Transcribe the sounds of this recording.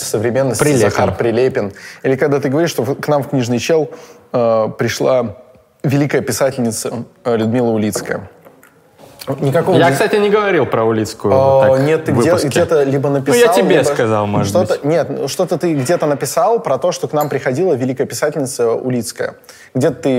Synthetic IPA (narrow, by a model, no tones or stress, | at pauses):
səvɾʲɪmʲenːəsʲɪɐxarpɾʲɪlʲepʲɪnilʲɪkɐɡd̪at̪ɨɡəvɐɾʲiʂt̪oknamfknʲiʐnɨjt͡ɕelˠəpɾʲɪʂlˠa | vʲɪlʲikəjəpʲɪsatʲɪlʲnʲɪt̪səlʲʊd̪mʲilˠəʊlʲit̪skəjə̰ | nʲɪkɐko̞vəjakst̪atʲɪnʲɪɡəvɐɾʲilˠpɾəʊlʲit̪skʊʊanʲet̪ːɨɡvɨdʲeʊsɡkʲet̪əlʲibənəpʲɪj̪jaat̪ʲɪlbʲeib̪kɐzalˠmoəʂt̪ot̪ənʲe̞t̪nʂt̪o̞t̪ət̪ɨɡdʲe̞t̪ənəpʲɪsalˠpɾɐt̪o̞ʂt̪o̞knampɾʲɪxɐdʲilˠəvʲɪlʲikəjəpʲɪsatʲɪlʲnʲɪt̪səʊ̰lʲit̪skəjə̰ | ɡdʲet̪ə̥t̪ɨ